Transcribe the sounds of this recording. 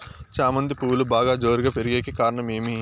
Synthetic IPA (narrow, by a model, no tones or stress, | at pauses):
t͡ʃaːmɐnd̪ipuːlubaːɡaːd͡ʒo̞ːɾiɡaːpeɾiɡeːkikaːɾɐɳɐme̞ːmi